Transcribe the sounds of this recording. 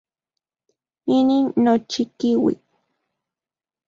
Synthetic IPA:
ininːot͡ʃikiwḭk

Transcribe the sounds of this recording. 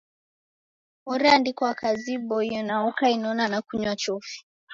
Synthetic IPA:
ɔɾɛandikɔakaziɓɔijɔnaɔkainaɔnanakuɲwat͡ʃɔfi̥

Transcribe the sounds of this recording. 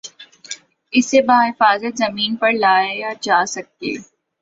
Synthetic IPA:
ɪsːebaːɦɪfaːzət̪zɐmiːnpɐɾlaːejad͡ʒaːsɐk̚ːḛː

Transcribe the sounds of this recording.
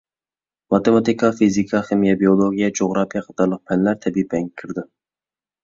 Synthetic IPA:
mɑt̪emɑt̪ikɑfizikʰɑχemijɛbiolˠoɡʲijɛd͡ʒoʁɾɑfijɛqʰɑ̥t̪ʰɑɾlˠəq̚pʰɛnlæɾt̪ʰɛbipɛŋʲkʲʰɪɾd̪ɪ

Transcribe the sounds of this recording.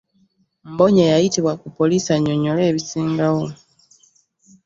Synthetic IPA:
mboɲajajitiβwakupo̞lisaɲoɲole̞ːβisiːŋɡawo

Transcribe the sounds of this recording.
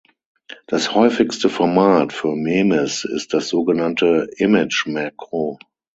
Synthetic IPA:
d̥ashɔʏfɪkstəfɔɐmaːtfyːɐmeːmɛsɪ̰st̚d̥asz̥oːɡənantəɪmɪt͡ʃmakʁo

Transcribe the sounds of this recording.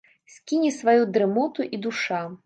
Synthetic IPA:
sʲkʲinʲisvajud̪ɾɨmɔt̪uʔid̪uʂa

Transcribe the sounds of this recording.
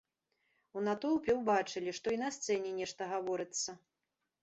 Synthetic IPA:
unat̪ɔwˠpʲɛwbat͡ʂɨlʲiʂt̪ɔinɐst̪sɛnʲɛnʲɛʂt̪ɐɣavɔɾɨt̪sːɐ

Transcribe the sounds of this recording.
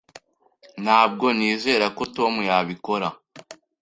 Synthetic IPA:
n̥haːb̚ɡo̞niːze̞ːɾako̞to̞mujaβiko̞ɾa

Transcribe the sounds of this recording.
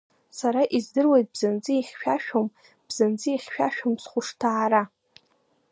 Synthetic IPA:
saɾaʔizdɨrwejt̚bzand͡zɨiχʲʃᶣaʃᶣom | b̥z̥and͡zɨiχʲʃᶣaʃᶣomsχʷʊʂtʰaːɾa

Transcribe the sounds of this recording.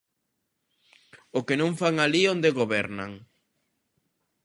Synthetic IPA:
ʊkenõŋfaŋaliond̪eɣoβɛɾna̰ŋ

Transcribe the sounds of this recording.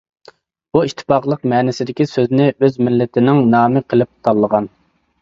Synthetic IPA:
buiʃt̪ʰːɪ̥pɑχlˠəqmɛːnɪsɪd̪ɪkʲisøznɪʔøzmɪlːɪt̪ʰɪnɪŋnɑːmɨqʰəlˠɪp̚t̪ʰɑlˠːəʁɑn

